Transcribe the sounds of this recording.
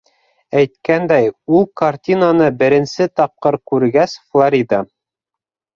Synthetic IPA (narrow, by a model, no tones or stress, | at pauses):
æjt̪kænd̪æjulˠkɐrtʲinanɤbɘ̆ɾɘ̆nsɘt̪ɑp̚qɤɾkʉɾɡæsflˠoɾʲid̪ə